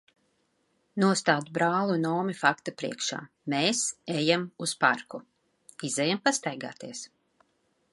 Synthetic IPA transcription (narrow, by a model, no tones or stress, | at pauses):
nuɔst̪aːd̪bɾaːlˠunɔːmifakt̪apɾḭɛkʃa̰ː | meːsejamuspaɾku | izɛjampast̪ajɡa̰ːt̪iɛs